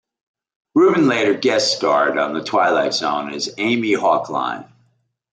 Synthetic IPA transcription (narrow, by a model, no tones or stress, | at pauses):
ɹʉbɨ̃nleɪɾə˞ɡɛstɑɹɾn̩ðɨtʰw̥aɪlaɪtz̥õʊ̃nɪzẽɪ̃mihɑkʰlã̰ɪ̃n